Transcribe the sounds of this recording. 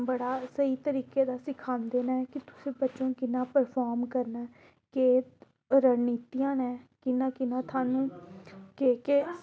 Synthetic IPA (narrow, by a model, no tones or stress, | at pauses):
bəɽaːsəiːt̪əɾiːkeːd̪aːsɪkʰaːnd̪eːnaːɛkɪt̪ʊ̥sẽːbətːʃõːkɪnãːpəɾpʰaːɾmkəɾnaː | keː | ɾəniːt̪ijãːnɛ̃ːkɪnãːkɪnãːt̪ʰaːnũːkeːkeː